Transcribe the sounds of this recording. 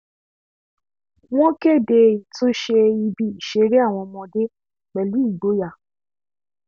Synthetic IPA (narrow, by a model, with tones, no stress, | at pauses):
w̃ɔ̃˦ke˦˨de˧i˨tũ˦ʃe˧i˧bi˧i˨ʃe˨˦ɾe˦a˦˨w̃ɔ̃˧mɔ̃˧de˦ | k͡pɛ˨lu˨˦i˦˨ɡ͡bo˨˦ja˦˨